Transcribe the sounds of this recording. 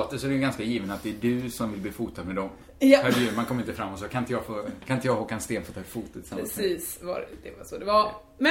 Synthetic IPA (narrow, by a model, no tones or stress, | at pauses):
ɔːt̪ːəsɔɾɛjɡanskajiːvənat̪̚d̪ɛːdɵsɔmvɪlbliːfuːt̪ʰad̪mɛd̪ɔm | pæɾʉɾmankɔmːɾɪnt̪əfɾamːɔt̪sɔkʰanɪnt̪jɑɡfoːkʰanɪnt̪əjɑɡhɔːkːanst̪eːnfoːt̪ʰɑːfuːt̪ət̪ʰːɪsamɾiːsva̰ɾd̪ɛva̰sɔd̪ɛva | mɛ